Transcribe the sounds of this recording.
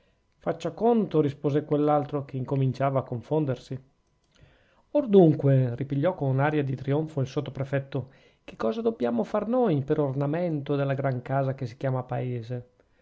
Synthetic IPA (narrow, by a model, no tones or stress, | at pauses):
fat͡ʃːakont̪oɾispoːzekwelːalt̪ɾok̟eiŋkomint͡ʃaːvaːkːoɱfond̪ersi | ord̪uŋkweripiʎːɔkːonunaɾjad̪it̪ɾioɱfoilsot̪ːopɾefɛt̪ːo | k̟e̥kːɔːzad̪obːjaːmofarnojpeɾornament̪od̪elːaɡɾaŋkaːzakesi̥kjaːmapaeːze